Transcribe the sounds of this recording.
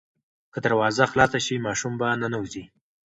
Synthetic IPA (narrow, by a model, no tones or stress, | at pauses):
kəd̪aɾwɑzaxlɑsaʃimɑʃumbananawuzi